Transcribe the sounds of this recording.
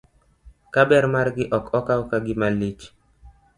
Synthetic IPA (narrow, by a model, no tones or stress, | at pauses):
kabɛɾmarɡɪʔɔkɔkawkaɡɪmalit͡ʃ